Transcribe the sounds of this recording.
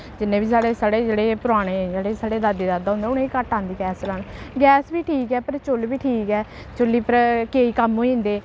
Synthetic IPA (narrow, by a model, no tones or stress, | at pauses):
d͡ʒɪnːẽːbiːsaːɽeːsaːɽeːd͡ʒeːɽeːpʊɾaːɽ̃eːd͡ʒeːɽeːsaːɽeːd̪aːd̪eːd̪aːd̪aːʊ̃nd̪eːʊnẽːiːkəʈãːnd̪iːɡɛːslaːɳɡɛːsbiːʈʰiːkɛːpəɾt͡ʃʊlbiːʈʰiːkɛː | t͡ʃʊlːiːpəɾkeːiːkəmɦoːĩːnd̪eː